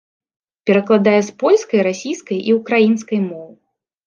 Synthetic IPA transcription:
pʲɛɾɐklˠad̪ajɛspɔlʲskɐjɾasʲijskɐjʔiukɾajins̬kɐjmɔvɨ

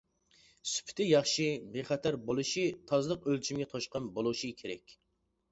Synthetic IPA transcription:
sy̥pʰɪ̥t̪ʰɪjɑχʃibeχɑt̪ʰɑɾbolˠuʃit̪ʰɑzlˠəqølt͡ʃʰimɡʲɛt̪ʰoʃqɑnbolˠuʃikʲʰeɾɛkʲ

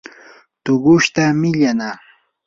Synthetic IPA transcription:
t̪ʊɢʊʃt̪amɪʎanaː

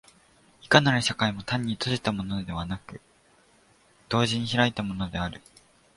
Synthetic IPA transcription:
i̥kanaɾɯ̟ɕakaimo̞t̪ãɲ̟ːit̪o̞ʑit̪amo̞no̞d̪e̞βanakɯ̟ | d̪̥o̞ːʑiɲ̟içiɾait̪amo̞no̞d̪e̞aɾɯ̟

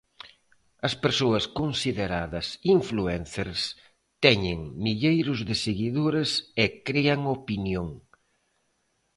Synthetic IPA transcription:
ɐspeɾsoɐskonsiðeɾaðɐsiɱfluɛnθeɾs | t̪ɛɲɪŋmiʎejɾʊzðɪseɣiðoɾesekɾiɐŋopinjoŋ

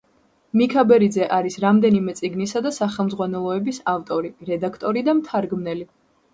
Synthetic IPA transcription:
mikʰabɛɾid̪zɛʔaɾisɾamd̪ɛnimɛt̪sʼiɡnisad̪asaχɛlˠmzʁwanɛlˠɔɛbisaft̪ʼɔɾiɾɛd̪akʰt̪ʼɔɾid̪amt̪ʰaɾɡmnɛli

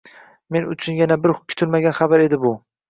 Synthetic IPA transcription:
me̞nʊt͡ʃʰʊnjanabɪɾʊkʲʰːʊ̥t̪ʰɪlmaɡʲanχabaɾe̞d̪ɪbʊ

